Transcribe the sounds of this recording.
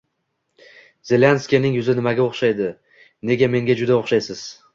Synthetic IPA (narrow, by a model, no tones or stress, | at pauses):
z̥e̞lʲanskʲijanɪŋjʊzɪnɪmaɡʲaoχʃajd̪ɪ | ne̞ɡʲame̞ŋɡʲad͡ʒʊd̪aoχʃajsɪz̥